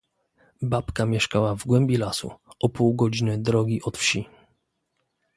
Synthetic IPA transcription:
bapkamʲjɛʂkawavɡwɛmbʲjilasṵɔpuwɡɔd͡ʑinɘd̪ɾɔɡʲiʔɔt̪fɕi

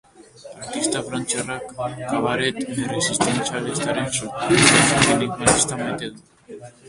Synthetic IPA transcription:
aɾt̪ist̪afɾant͡ʃerakːaβaɾet̪eresist̪ent͡salist̪aɾensesoɾilikbalist̪amajt̪eðu

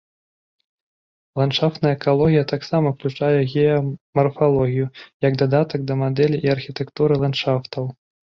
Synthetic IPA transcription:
lˠantʂaft̪nɐjɐɛkalˠɔɣʲijɐt̪aksamɐwklʲut͡ʂajɛɣʲɛjɐmɐrfalˠɔɣʲijujɐɡd̪ad̪at̪ɐɡ̚d̪ɐmad̪ɛlʲiʔːɐrxʲit̪ɛkt̪uɾɨlˠanʂaft̪ɐw

